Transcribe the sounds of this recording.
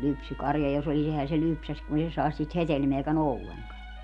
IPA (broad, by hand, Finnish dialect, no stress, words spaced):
lypsykɑrjɑ jos olis ehæ se lypsæs kun ei se sɑes siːt hetelmeækæn olːeŋkɑn